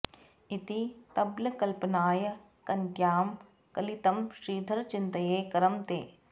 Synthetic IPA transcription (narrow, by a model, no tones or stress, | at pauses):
ɪt̪it̪ɐbləkɐlpənaːjə | kɐnɡjaːm | kɐlit̪ɐmʃɾiːd̪ʱɐɾt͡ʃɪ̃nt̪ɐjeːkɐɾɐmt̪ḛː